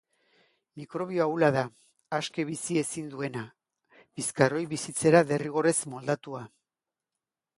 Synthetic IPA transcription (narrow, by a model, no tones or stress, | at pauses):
mikɾo̞β̞io̞awlaðaː | ske̞βisie̞sind̪ue̞na | biskaro̞jβisit͡se̞ɾaðe̞riɣ̞o̞re̞zmo̞ld̪at̪ua